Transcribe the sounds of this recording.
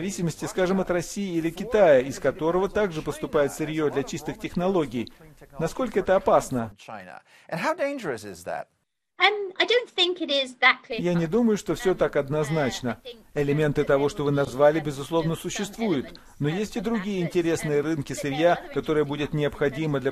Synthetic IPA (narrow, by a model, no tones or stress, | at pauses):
vʲisʲɪməsʲtʲɪskaʐɨmɐt̪rɐsʲijɪilʲɪkʲɪt̪ajəɪskɐt̪o̞ɾəvət̪aɡʐɨpəst̪ʊpajɪt̪sɨɾʲjod̪lʲɐt͡ɕist̪ɨxtʲɪxnɐlˠo̞ɡʲɪjnɐsko̞lʲkəɛt̪əɐpasnət͡ʃʰã̰ɪ̃nə̰ | ʔɨ̃nɦaʊdẽɪ̃nd͡ʒə˞ɨsɪ̰zðæ̰t̚ | ʌmaɪdõʊ̃nθɪ̃ŋkɪɾɪzðəkʰijanʲɪd̪uməjʊʂt̪o̞fsʲot̪akɐd̪nɐznat͡ɕnəɪlʲɪmʲe̞nt̪ɨt̪ɐvo̞ʂt̪o̞vɨnɐzvalʲɪbʲɪzʊslˠo̞vnəsʊɕːɪst̪vujɪt̪ | no̞jesʲtʲɪd̪ɾʊɡʲijəɪnʲtʲɪɾʲe̞snɨjəɾɨnkʲɪsɨɾʲjakɐt̪o̞ɾɨjəbudʲɪt̪nʲɪəpxɐdʲiməd̪lʲɐ